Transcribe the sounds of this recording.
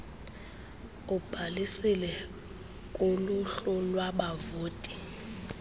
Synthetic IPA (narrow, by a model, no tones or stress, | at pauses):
ub̥ʱalisilɛ | kʼoluɬɔlwaɓavoːtʼi̥